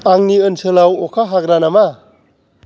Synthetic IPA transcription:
aŋniənsɯlawɔkʰaɦaɡɾanama

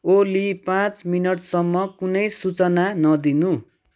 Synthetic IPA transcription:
olipãt͡sminʌʈsʌmːʌkunʌjsut͡sʌnanʌd̪inu

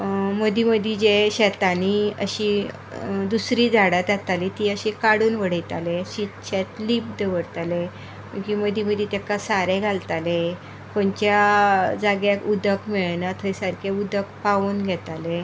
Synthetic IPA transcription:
məd̪iməd̪ʱid͡ʑeɕɛt̪aniə̰ɕi | d̪usɾiːd͡zʱaɽat̪at̪alit̪iːəɕikaɽuːnʋəɽ̤əjt̪a̰leɕit̪ɕɛt̪liːp̚d̪əʋəɽt̪ale | məkiməd̪iməd̪ʱit̪akasaɾeɡʱalt̪ale | kont͡ɕjad͡zaɡjakud̪ʱəkmiɭnat̪ʰəjsaɾkʰeud̪əkpaʋuːnɡʱɛt̪ale

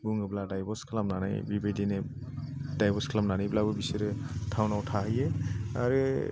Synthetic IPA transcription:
buŋɯbladajbɔɾskʰalamnanajbibedinɛ | dajbɔskʰəlamnanijblabubisiɾɛtʰawnawtʰaɦɯjɛa̰ɾɯ

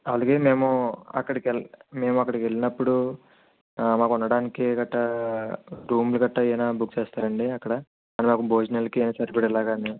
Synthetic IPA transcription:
ɐlduɡeːme̞ːmuɐ̰kːɐɽikeme̞ːmuɐkːɐɽikeɭːinɐpːuɽu | maːkunːɐɽaːnikiɡɐʈːɐ | ɾuːmluɡɐʈːɐɛːnaːbukt͡ʃeːst̪aːɾɐɳɖiɐkːɐɽɐ | aːnimaːkubʱoːd͡ʒnɐlkiɛnaːsɐɾbiɽɐlaːɡaːni

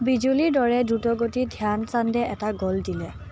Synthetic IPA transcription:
bizuliɹdɔɹɛdutɔɡotidʱiansandɛʔɛtaɡɔldilɛ

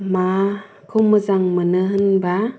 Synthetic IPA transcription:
ma | kʰomɯzaŋmɯnɯɦɯnba

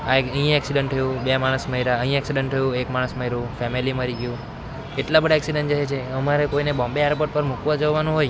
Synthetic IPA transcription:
aeəɦĩɛksiɖəɳʈ̚t̪ʰəjũbemaɽ̃əsməɦiɾaəɦĩɛksiɖəɳʈ̚t̪ʰəjũekmãəsməɦiɾũfɛmiliməɾiɡjũ | keʈlabəɽaɛksiɖəɳd͡ʒaɦet͡ʃʰeəmaɾekoinebɔ̃mbeɛɾpoʈ̚pəɾmukʋad͡ʒoʋanũɦoj

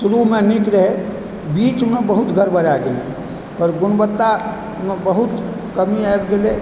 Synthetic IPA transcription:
suɾumenikɾəɦe | bit͡ʃmebəɦut̪ɡʱəɾbʱəɾaɡelḛ | pəɾɡunbət̪ːa | mebəɦut̪ | kəmiaebɡele

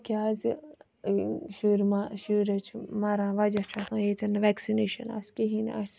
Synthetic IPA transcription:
kʲaːz | ʃuːɾmaʃuɾɐt͡ʃʰmɐɾãːʋɐd͡ʒɐt͡ʃʰɐt̪ãːeːt̪ʰɐnɐʋɛksineːʃɐ̰na̰skeɦinɐ̰s

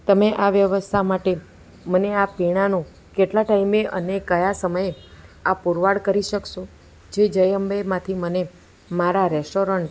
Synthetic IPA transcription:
t̪əmeʔaʋjəʋəst̪ʰamaʈe | məneapiɽ̃anũ | keʈlaʈaimeʔə̰nekəjasəməjeapuɾʋaɽkəɾiʃəkʃo | d͡ʒed͡ʒəjəmbemãt̪ʰiməne | maɾaɾɛsʈoɾəɳʈ

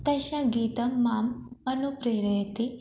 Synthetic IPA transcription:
t̪ɐɕãɡiːt̪ɐmːaːmɐnupɾeːɾɐjɐt̪i

